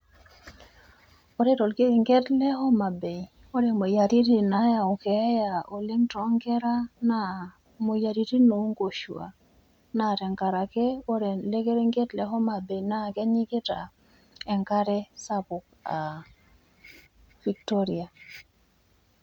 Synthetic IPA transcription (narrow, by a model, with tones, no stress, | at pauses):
o˦ɾe˦ɾo˨lke˦˨ŋɡɛ˦tlɛ˦hɔ˦ma˨be˨ | o˦ɾe˨mo˨ja˨ɾi˦ti˨na˨ja˨o˨kɛ˨˦ja˨o˨le˦ŋtɔ˨˦ŋɡɛ˦ɾa˦na˦˨ | mo˨ja˨ɾi˦ti˦no˨˦ŋɡo˨ʃwa̰˨ | na˦˨ɾɛ˨ŋka˨ɾa˨ke˦o˦ɾe˨le˦ke˦ɾe˦ŋɡɛ˦tlɛ˨ɦɔ˦ma˨be˨na˦˨kɛ˦ɲi˦kɪ˦ta̰˨ | ɛ˨ŋka˦ɾɛ˦sa˦pʊ˨k̚a˨ | v̥i˨k̚to˦ɾi˨a˨